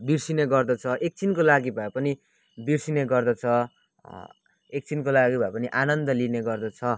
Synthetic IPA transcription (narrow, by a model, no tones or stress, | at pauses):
birsineɡʌrd̪ʌt͡sʰʌʔek̚t͡sinkolaɡibʱapʌni | birsineɡʌrd̪ʌt͡sʰʌ | ek̚t͡sinkolaɡibʱapʌniʔanʌnd̪ʌlineɡʌrd̪ʌt͡sʰʌ